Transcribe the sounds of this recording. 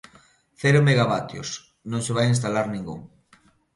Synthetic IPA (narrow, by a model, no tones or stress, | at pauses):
θɛɾʊmeɣaβat̪jo̰s | nõŋseβajinst̪alaɾnĩŋɡṵŋ